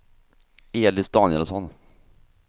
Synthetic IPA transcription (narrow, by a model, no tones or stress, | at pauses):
eːlɪsd̪ɑːnjɛlsɔn